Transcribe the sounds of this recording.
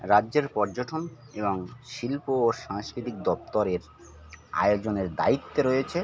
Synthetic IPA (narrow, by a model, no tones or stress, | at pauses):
ɾadːd͡ʑeɾpɔɾd͡ʑoʈʰon | eboŋʃilpoːʃaŋskɾit̪ik̚d̪ɔpt̪oɾeɾ | a̰jod͡ʑoneɾd̪a̰it̪ːeɾojet͡ɕʰe